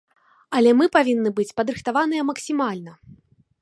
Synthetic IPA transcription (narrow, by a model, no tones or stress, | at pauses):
ɐlʲɛmɨpavʲinːɨbɨt͡sʲpɐd̪ɾɨxt̪avanɨjɛmɐksʲimalʲnɐ